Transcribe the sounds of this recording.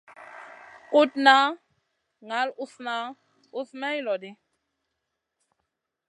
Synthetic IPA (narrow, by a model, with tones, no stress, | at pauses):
ku˦t̚na˨˦ | ŋa˨˦lu˦sna˨˦ | u˦smɛ˦i˦lɔ˨di˦